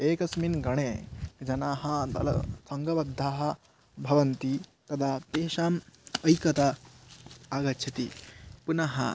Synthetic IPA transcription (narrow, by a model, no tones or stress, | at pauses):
eːkɐsminɡɐɽ̃ed͡ʒɐnaɦad̪ɐ̰l̰sɐŋɡɐʋɐd̪ʱːaːɦɐ | bʱɐʋɐnt̪it̪ɐd̪ʱat̪eɕaːmɐjkɐt̪a | aɡɐtːt͡ʃʰɐt̪ḭpunaɦɐ̰